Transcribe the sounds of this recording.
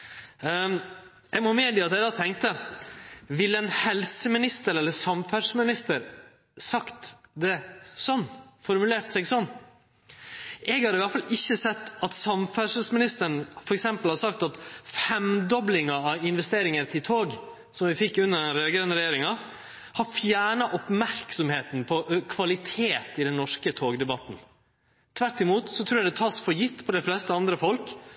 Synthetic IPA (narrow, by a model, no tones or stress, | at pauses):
jæɡmɔmeːd̪iːɑt̪ɛæd̪ɑːt̪ʰɛŋkt̪ə | ʋɪlːəɛnhɛlsəmɪnɪst̪əɾɛlːəɾsɑmfæɾʂmɪnɪst̪əɾ | sɑkt̪d̪ɛsɔnːfɔɾmʉleːɾt̪sɛɡsɔnː | ʔɛɡhɑɾɪʋæʈ̪fɑlʔɪçːəsɛt̪ːɑt̪sɑmfæʂəsmɪnɪst̪əɳfɔɾɛksɛmpəlhɑːɾsɑk̚t̪ɑt̪fɾɛmd̪ɔblɪŋɑɑʋɪnʋɛst̪eːɾɪŋəɾt̪ʰɪlt̪ʰoːɡ | sɔmʋɪfɪkːʉnːəɾɡɾɛnɾɛjeːɾɪŋɑ | hɑɾfjæːɳɑʔɔpmæɾksɔmheːt̪npʰɔkʰʋɑlɪt̪ʰeːt̪ɪd̪ɛnnːɔʂkət̪ʰoːɡd̪ɛbɑt̪n̩ | t̪ʰʋæɾʈːɪmuːt̪sɔt̪ʰɾuːjæd̪ɛt̪ʰɑːsfɔɾjɪt̪ːpʰɔd̪ɛflɛst̪əɑnd̪ɾəfɔlk